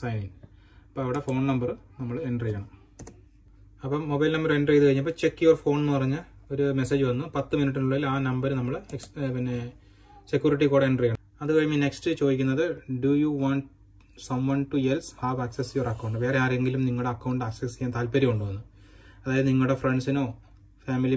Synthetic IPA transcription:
sɐjniŋ | ɐpːoːɐʋiɽe̞fo̞ːɳnɐmbɐrnɐmːɐɭeɳɖrɐjɐɳɐm | ɐpːɐmobɐjlnɐmːɐɾenɖrejðɨkɐɻiɲːɐpːoːt͡ɕe̞kːijorfo̞ːɳnːɨpɐrɐɲːɨo̞ɾume̞seːd͡ʑɨʋɐnːupɐt̪ːɨminiʈːinuɭːɐilaːnɐmbɐɾɨnɐmːɐɭekspinːe | sekʲjuːriʈ̬ːikoːɽeeɳɖrɐjɐɳɐ | ɐðɨbɐɻimːinekstɨt͡ɕo̞ːðikʲːunːɐðɨɖujuʋaːɳʈ | sɐmwɐnʈuelshaːʋaːksesjoːrɐkːɐwɳɖɨʋe̞ːreaːre̞ŋɡilumniŋːɐɭuɽeɐkːɐwɳɖaːksesijːant̪aːlpɐɾiuɳɖɨʋɐnːu | ɐðaːjɐðɨniŋːɐɭuɽefre̞ɳɖsino̞ː | faːmili

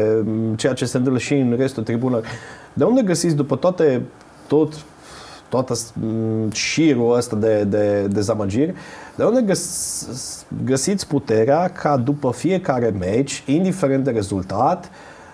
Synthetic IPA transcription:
t͡ʃe̞jat͡ʃe̞se̞nt̪ɨmpləʃiɨnre̞st̪ud̪t̪ɾibunərʲ | d̪eund̪e̞ɡəsit̪sʲd̪upət̪oat̪e̞ | t̪ːot̪ː | oat̪əs | ʃiɾuəst̪ad̪e̞d̪e̞d̪e̞zaməd͡ʒirʲd̪eund̪e̞ɡə | ɡəsit̪sʲput̪e̞ɾeakʰad̪upəfie̞kaɾe̞met͡ʃʲind̪ifeɾend̪eɾe̞zult̪at̪

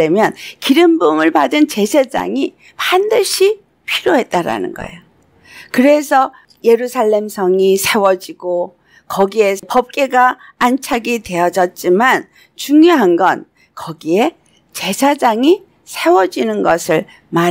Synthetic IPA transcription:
e̞mjʌnkiɾɯmbumɯɭpadɯnt͡ɕe̞sʰed͡ʑa̰ŋi | pandɯɕʰi | pʰiɾjoɦe̞t̚t͈aɾa̰nɯ̰nɡʌ̰ḛjo | kɯɾe̞sʰʌ | je̞ɾusʰaɭːe̞msʰʌŋisʰe̞wʌd͡ʑiɡo | kʌɡie̞pʌp̚k͈e̞ɡaːnt͡ɕʰaɡitwe̞ʌd͡ʑʌt̚t͡ɕ͈iman | t͡ɕuŋjoɦanɡʌn | kʌɡie̞ | t͡ɕe̞sʰad͡ʑaŋi | sʰe̞wʌd͡ʑinɯnɡʌsʰɯɭ | ma

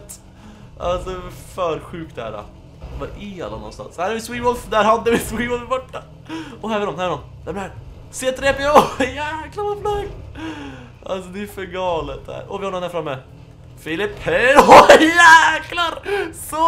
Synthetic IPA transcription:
t̪ | a̰lsɔɛfœːɾɧʉːk̚t̪ɛhæ̰ːɾa̰ | vaʔɪa̰lːa̰nɔ̰nst̪a̰nshæːɾɛɾvɪswiːmɔfd̪æːɾhad̪ːəvɪswiːmɔɪbɔʈːa | ɔɦæɾvɪɾɔmhæɾvɪɾɔm | d̪æɾæ | seːt̪ʰɾeːpɪjæːklavaflaɡ | a̰lsɔd̪ɛːfœɾɡɑːlət̪̚d̪æ̰ːɾɔvɪhanɔmnæɾfɾamːɛ | fɪlɪphɛ | jæklaɾsɔ

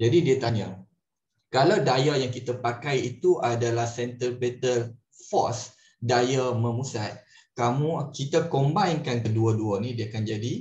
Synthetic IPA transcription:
d͡ʒadidiat̪aɲa | kalawdajajaŋkit̪apakajit̪uʔadalahsɛnt̪əlpɛt̪ər | fɔ̰s | dajamə̃musat̪̚ | kamũkit̪akombainkankəduəduənĩdiaakand͡ʒadi

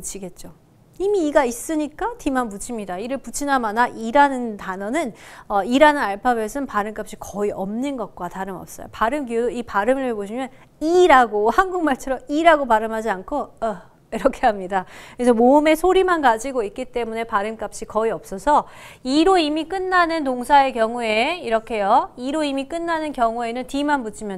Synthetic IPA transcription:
ut͡ɕʰiɡe̞t̚t͡ɕ͈o | imiːɡais͈ɯɲik͈atimanput͡ɕʰimɲidaiɾɯɭput͡ɕʰinamanaʔiɾanɯntanʌnɯnʌiɾanɯnaɭpʰabesʰɯnpaɾɯmk͈ap̚ɕ͈ikʌiʔʌmnɯnɡʌt̚k͈wataɾɯmʌp̚s͈ʌjo̰paɾɯmɡiodoipaɾɯmɯɭɦeboɕʰimjʌn | iɾaɡohanɡuŋmaɭt͡ɕʰɯɾʌiɾaɡopaɾɯmɦad͡ʑiankʰoʌ | iɾʌkʰe̞amɲidakɯɾesʰʌmoɯme̞sʰoɾimankad͡ʑiɡoit̚k͈it͈e̞mune̞paɾɯmk͈ap̚ɕ͈ikʌiʌp̚s͈ʌsʰʌiɾoimik͈ɯnːanɯntoŋsʰae̞kjʌŋue̞iɾʌkʰe̞joiɾoimik͈ɯnːanɯnkjʌŋue̞nɯntimanbut͡ɕʰimjʌ

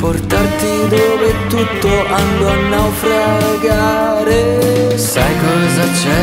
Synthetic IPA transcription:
poɾt̪aɾt̪id̪obet̪ut̪ːoʔand̪oanːawfɾaɡa | ɾesajkolzat͡ʃɛ

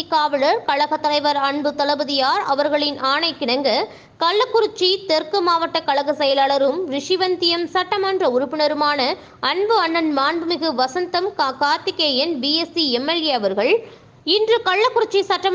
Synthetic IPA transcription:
kaːʋɐɭɐɾkɐɭɐɣɐt̪ːɐlɐɪʋɐɾɐɳbɯt̪ɐlɐbɐðɪjaːɾɐʋɐɾɣɐɭɪnʔaːɳɐɪkːɪɳɐŋɡɐ | kɐɭːɐkːʊɾʊt͡ʃːit̪ɛɾkɯmaːʋɐʈːɐkɐɭɐɣɐsɐjɐlɐɭɐɾɯmɾɪʂɪʋɐnt̪ɪjɐmsɐʈːɐmɐːndrɐʊɾʊpːɪnɐɾɯmaːnɐ | ɐnbɯɐnːɐnmaːnbɯmɪɣɯʋɐsɐnt̪ɐmkkaːɾt̪ɪkːeːjɛnbiːɛsiɛmːɐleɐʋɐɾɣɐɭ | ɪndrɯkɐɭːɐkːʊɾʊt͡ʃːisɐʈːɐm

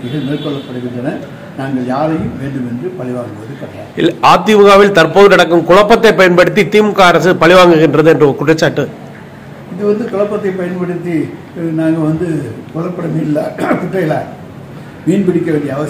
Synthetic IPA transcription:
ɪɣɐɭneːɾkɔɭːɐpːɐɽɯɣɪndɐnɐ | naːŋɡɐɭjaːɾɐjɯmʋeːɳɖɯmɛndrɯpɐɭɪʋaːŋɡɯʋɐðɯkɐʈːɾa̰ːlʔaːt̪̬ːɪʋɯɣaːʋɪlt̪ɐrpoːðɯnɐɽɐkːɯmkʊɭɐpːɐt̪ːɐɪpːɐjɐnpɐɽɯt̪ːit̪iːmɯkːaɐɾɐsɯpɐɭɪʋaːŋɡɯɣɪndrɐðɯɛndrɐɔɾkʊʈrɐt͡ʃːaːʈːɯ | ɪðɯʋɐnd̪ɯkʊɭɐpːɐt̪ːɐɪpɐjɐnpɐɽɯt̪ːi | naːŋɡɐʋɐnd̪ɯkɔɭːɐpːɐɽɐmiːlːɐkʊʈːɐjɪlaː | ʋiːnpɪɽɪkːɐʋeːɳɖijɐʋɐ

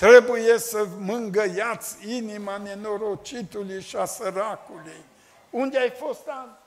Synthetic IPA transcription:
t̪ɾebujesəmɨŋɡəjat͡sinimanenoɾot͡ʃit̪uliʃasəɾakuluj | und̪ʲajfost̪an

